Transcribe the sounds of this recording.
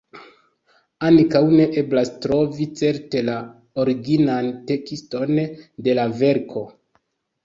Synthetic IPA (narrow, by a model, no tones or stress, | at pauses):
ankawne̞ʔe̞blastɾo̞vit͡se̞ɾte̞la | oɾiɡinante̞kisto̞nde̞lave̞ɾkʰo̞